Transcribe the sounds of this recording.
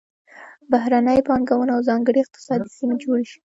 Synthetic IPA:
bahɾanəjpɑŋɡawənaawzɑŋɡəɽiɪq̚t̪ɪ̥sɑd̪isimed͡ʒoɽeʃi̥

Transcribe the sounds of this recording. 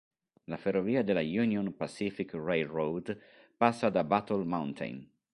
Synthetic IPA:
laferoviːad̪elːajunjonpasifikrejlrowd̪ | pasːad̪abat̪olmawnt̪ʰḛjn

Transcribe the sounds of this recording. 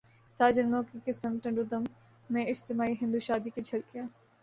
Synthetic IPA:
saːd͡ʒɐnmõːkikɪsəmʈɐ̃ɳɖʊd̪əmː | ẽɪd͡ʒt̪ɪmaːiɦɪ̃nd̪uːʃaːd̪ikit͡ʃʰɐlkɪjaː

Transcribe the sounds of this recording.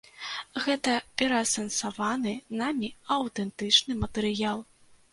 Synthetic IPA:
ɣɛt̪ɐpʲɛɾɐsɐnsavanɨnamʲiɐwt̪ɛnt̪ɨt͡ʂnɨmɐt̪ɨɾɨjalˠ

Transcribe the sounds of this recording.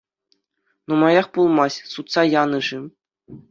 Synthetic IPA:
numɑjɑχpulˠmɑsʲsut̪sɑjɑnɤ̆ʐɘ̆

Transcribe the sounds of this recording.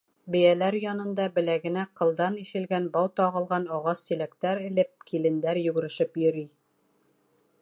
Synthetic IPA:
bɘ̆jælæɾjɒnɤ̆nd̪ɑbɘ̆læɡɘ̆næqɤ̆lˠd̪ɑniʃɘ̆lɡænbɑwt̪ɒʁɤ̆lˠʁɑnɒʁɑst̪ilækt̪æɾɘ̆lɘp̚kilɘ̆nd̪æɾjʉ̆ɡɘ̆ɵ̆ɾɘ̆ʃɘpjɵ̆ɾi

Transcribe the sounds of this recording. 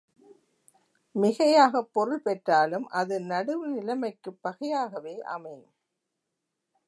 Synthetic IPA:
mɪɣɐjaːɣɐpːɔɾɯlpɛʈraːlɯmʔɐðɯnɐɽɯʋɯnɪlɐmɐɪkːɯpːɐɣɐjaːɣɐʋeːʔɐ̰mɐɪm

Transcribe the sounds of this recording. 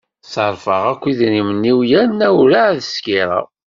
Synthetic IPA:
səɾˤfəʁækʷːiðnimənːiwjænːæwɾaʕðəskiɾˤɑ̰

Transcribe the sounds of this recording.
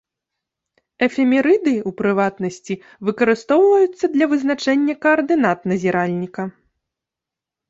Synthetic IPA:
ɛfʲɛmʲɛɾɨd̪ɨupɾɨvat̪nɐsʲt͡sʲi | vɨkɐɾɨst̪ɔwvɐjut̪sːɐd̪lʲɐvɨznat͡ʂɛnʲːɐkɐːrd̪ɨn̪at̪nɐzʲiɾalʲnʲikɐ

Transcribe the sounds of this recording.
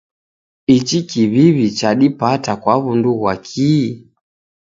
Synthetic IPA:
it͡ʃikiβiβit͡ʃaɗipatakwaβunduɣwakʰi

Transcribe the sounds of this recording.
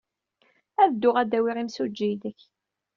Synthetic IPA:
æðd̪ːʊʁæd̪æwiʁimsud͡ʒːid̪əç

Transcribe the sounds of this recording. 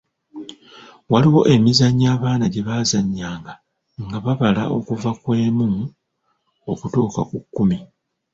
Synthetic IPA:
waliwo̞ʔe̞mizaɲːaːβaːnaɟe̞βazaɲːaːŋɡa | ŋɡaβaβala̰ʔo̞kuvakwe̞ːmu | o̞kutoːka̰kukːumi

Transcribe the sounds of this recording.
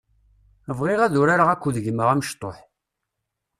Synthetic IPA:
əvʁeʁæðʊɾaɾaʁækʷːuðəʝəməʁæməʃt̪ˤːoħ

